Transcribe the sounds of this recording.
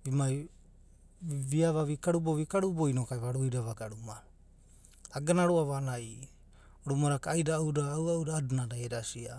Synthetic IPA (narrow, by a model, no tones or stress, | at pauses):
bimaj | βiaβaβikaɾuboβikaɾuboinokajβaɾujdaβaɡaɾuma | ɡanaɾuaβanaj | oɾumaɾakaːjdaːwɾaːwawɾaːdunadajeɾasia